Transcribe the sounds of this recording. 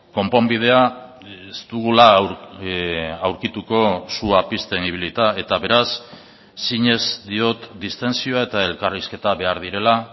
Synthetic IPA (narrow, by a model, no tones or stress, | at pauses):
ko̞mpo̞mbið̞e̞a | est̪uɣulaɾ | awɾkit̪uko̞suapist̪eniβilit̪ae̞t̪aβe̞ɾasː | iɲe̞zd̪io̞t̪d̪ist̪e̞nsio̞ae̞t̪ae̞lkariske̞t̪aβe̞aɾðiɾe̞la